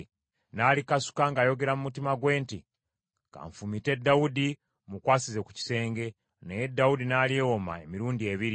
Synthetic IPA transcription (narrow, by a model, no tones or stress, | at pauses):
naːlikasu̥kaŋɡaːjo̞ɡe̞ɾamumutimaɡwe̞ːnti | ŋka̰ːɱfumite̞dːawudi | mukwaːsizeku̥ci̥se̞ːŋɡe̞ | nejedːawudinaːliewo̞ma̰e̞miɾuːndie̞βiɾi